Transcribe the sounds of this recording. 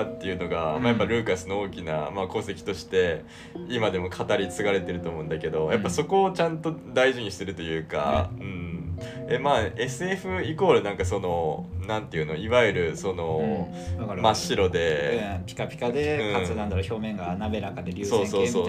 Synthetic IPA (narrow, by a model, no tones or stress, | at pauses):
at̪ːe̞jɯ̟no̞ɡamaːjapːaɾɯ̟ːkasɨnooːkʲina̰maːko̞ːse̞kʲi̥t̪o̞ɕi̥t̪e̞ | imad̪e̞mo̞kʰat̪aɾʲit͡sɨɡaɾe̞t̪e̞ɾɯ̟t̪o̞ːmo̞ɯ̃nd̪ake̞d̪o̞japːaso̞ko̞ːt͡ɕãnt̪o̞d̪aiʑiɲ̟iɕi̥t̪e̞ɾɯ̟t̪o̞jɯ̟ːka̰ɯ̟̃ɴ | e̞maːe̞sɨe̞ɸɯ̟iko̞ːɾɯnãŋkaso̞no̞nãnt̪e̞jɯ̟no̞iβaiɾɯ̟so̞no̞ | maɕiɾo̞d̪e̞pʲi̥kapʲi̥kad̪eɯ̃aɨnãnd̪aɾoço̞ːmẽ̞ŋɡanabe̞ɾakad̪eɾʲɯːso̞ːso̞ːsoː